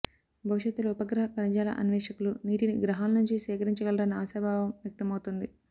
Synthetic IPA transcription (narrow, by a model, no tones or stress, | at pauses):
bʱɐʋuʃɐt̪ːulɐupɐɡɾɐɦɐkɐnd͡ʒaːlɐ̰ʔɐnʋɛːʂɐkuluniːʈiniɡɾɐɦaːlnuɲt͡ʃisɛːkɐɾiɲt͡ʃɐɡɐlɐɾɐnːɐaːsɐːbʱaːʋɐmʋjɐk̚t̪ɐmɐwt̪und̪i